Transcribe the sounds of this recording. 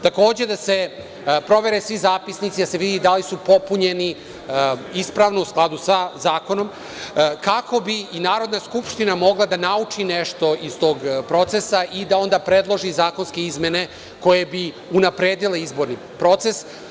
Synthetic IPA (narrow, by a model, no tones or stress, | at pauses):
t̪ako̞ːd͡ʑe̞d̪ase̞ | pɾo̞ʋe̞ɾesʋizaːpisnit̪sid̪ase̞ʋid̪id̪alisupo̞puɲeni | ispɾaːʋnousklˠad̪usazaːko̞no̞m | kakʰo̞biːnaːɾo̞d̪naskupʃt̪inamo̞ɡlˠad̪anaut͡ʂineʃt̪o̞ʔist̪o̞ːɡpɾo̞t̪sesaʔid̪ao̞nd̪aːpɾe̞d̪lˠo̞ʒizaːko̞nske̞izme̞ne̞ | ko̞jebi | unapɾeːd̪ile̞izbo̞ɾni | pɾo̞t̪se̞s